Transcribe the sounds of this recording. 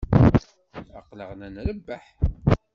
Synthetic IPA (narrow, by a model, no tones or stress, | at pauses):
ɑqləʁnænləbːaħ